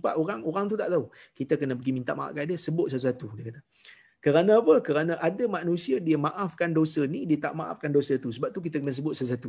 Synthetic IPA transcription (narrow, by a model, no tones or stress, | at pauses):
pa̰ʔoɾaŋoɾaŋt̪ut̪aʔt̪aukit̪akənəbəɡimint̪a̰ʔmaʔa̰ʔkaʔdiəsəbʊt̪̚sət̪usat̪udiəkat̪a | kəɾanãpəkəɾanãʔadamanũsiadiəmaʔafkandosənidiət̪a̰ʔmaʔa̰fkandosət̪usəbap̚t̪uk̬it̪akənəs̬əbʊt̪̚sət̪usat̪u